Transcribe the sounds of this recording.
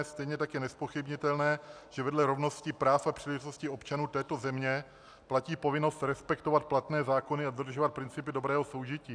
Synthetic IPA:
st̪ɛjɲɛt̪akjɛnɛspo̞xɪbɲɪt̪ɛlnɛː | ʒ̥ɛvɛdlɛɾovno̞scɪpɾaːfapr̝̥iːlɛʒɪt̪o̞scɪo̞pt͡ʃanuːt̪ɛːt̪o̞zɛmɲɛ | placiːpo̞vɪno̞st̪ɾɛspɛkt̪ovat̪̚plat̪nɛːzaːko̞nɪadod̪r̩ʒovat̪̚pɾɪnt͡sɪpɪdo̞bɾɛːɦoso̞wʒɪciː

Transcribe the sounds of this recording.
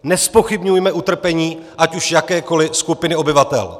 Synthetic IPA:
nɛspo̞xɪbɲujmɛʔut̪r̩pɛɲiːʔacuʃjakɛːko̞lɪskupɪnɪo̞bɪvat̪ɛ̰l

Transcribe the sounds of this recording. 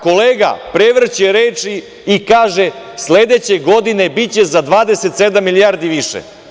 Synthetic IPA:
ko̞leːɡa̰pɾeʋr̩t͡ɕeɾeːt͡ʂi | ikaːʒe | sleːd̪et͡ɕe̞ɡo̞d̪ine̞bit͡ɕe̞zad̪ʋaːd̪ese̞t̪sed̪amːilijaːɾd̪iʋiʃḛ

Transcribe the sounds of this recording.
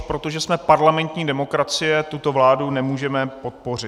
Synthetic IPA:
pɾot̪o̞ʒɛsmɛpaɾlamɛnt̪ɲiːdɛmo̞kɾat͡sɪjɛt̪ut̪o̞vlaːdunɛmuːʒɛmɛpo̞t̪̚po̞rɪ

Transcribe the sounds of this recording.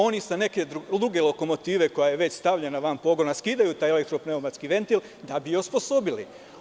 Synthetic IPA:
o̞nisane̞ke̞d̪ud̪ɾuɡe̞lo̞ko̞mo̞t̪iːʋe̞ko̞jajeʋe̞t͡ɕst̪aʋʎʲenaʋampo̞ɡo̞naskiːd̪ajut̪aːjelek̚t̪ɾopneomat̪skiʋe̞nt̪il | d̪abijospo̞so̞bilḭ

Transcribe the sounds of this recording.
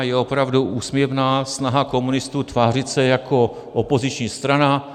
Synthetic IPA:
jɛo̞pɾavduʔuːsmjɛvnaːsnaɦako̞munɪst̪uːt̪vaːr̝ɪt̪sɛjako̞ | ʔopo̞zɪt͡ʃɲiːst̪ɾana

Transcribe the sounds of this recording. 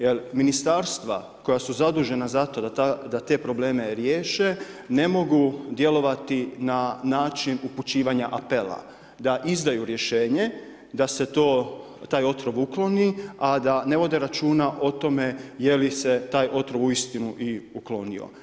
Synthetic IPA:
jelminist̪aɾst̪ʋa̰ | ko̞jasuzad̪uːʒe̞nazat̪o̞d̪d̪at̪e̞ːpɾo̞ble̞ːme̞ɾje̞ːʃe̞ne̞mo̞ɡud̪je̞lo̞ʋat̪inanaːt͡ʃinuput͡ʃiːʋaɲaʔape̞la̰ | d̪aʔizd̪ajuɾje̞ʃe̞ːɲe̞ | d̪ase̞t̪oː | t̪aːjo̞t̪ɾo̞ʋuklo̞niad̪ane̞ʋo̞d̪e̞ɾat͡ʃuːnaʔo̞t̪o̞me̞je̞lise̞t̪aːjʔo̞t̪ɾoʋuist̪inuʔiuklo̞nio̰

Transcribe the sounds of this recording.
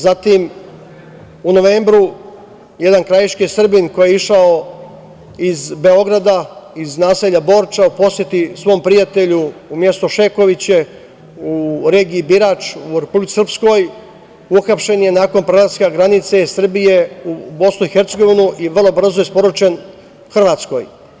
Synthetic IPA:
zat̪im | uno̞ʋe̞ːmbɾu | je̞d̪ankɾajiʃkijsr̩binko̞jeiʃao̞ | izbe̞o̞ɡɾad̪aiznaːse̞ʎabo̞ːɾt͡ʃaupo̞sje̞t̪isʋo̞ːmpɾijat̪eʎuːmje̞st̪o̞ʃe̞ko̞ʋit͡ɕe̞ | uɾe̞ːɡiːbiɾaːt͡ʃuɾe̞publit̪i̥srpsko̞j | uxapʃe̞nje̞naːko̞npɾelat̪skaɡɾanit̪se̞sr̩bije̞ubo̞snuixeɾt̪seɡo̞ʋinuʔiʋr̩lˠo̞br̩zojespo̞ɾot͡ʃe̞n | xr̩ʋaːt̪sko̞̰j

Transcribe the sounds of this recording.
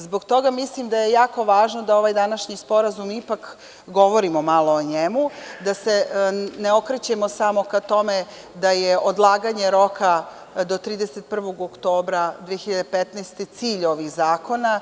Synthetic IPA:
zbo̞ɡt̪o̞ɡamislimd̪aje̞jaːko̞ʋaːʒno̞d̪ao̞ʋajd̪anaʃɲispo̞ɾazumipak | ɡo̞ʋo̞ɾimomalˠo̞oɲemud̪ase̞neo̞kɾet͡ɕemosamo̞kat̪o̞me | d̪ajeʔod̪lˠaːɡaɲe̞ɾo̞ka | d̪o̞t̪ɾiːd̪eset̪̚pr̩ʋo̞ɡokt̪o̞ːbɾad̪ʋijeçiʎad̪epet̪neːst̪e̞t̪siːʎo̞ʋixzaːko̞na

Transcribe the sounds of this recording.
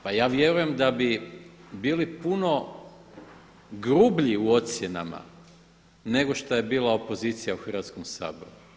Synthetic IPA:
pajaːʋje̞ɾuje̞md̪abibiːlipuno̞ | ɡɾubʎiuo̞t̪sje̞na̰ma̰ | ne̞ɡo̞ʃt̪oje̞biːlˠao̞po̞zit̪sijauxr̩ʋat̪sko̞msa̰ːbo̞̰ɾu

